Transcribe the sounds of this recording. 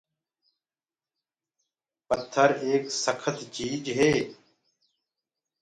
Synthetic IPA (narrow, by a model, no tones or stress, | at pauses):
pət̪ʰːəɾeːksəkʰət̪t͡ʃiːd͡ʒɦeː